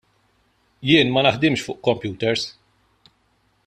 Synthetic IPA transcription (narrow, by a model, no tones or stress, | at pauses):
jɪːnmɐnɐħd̪ɪmʃfʊːʔkɔmpjuːt̪ɛɾs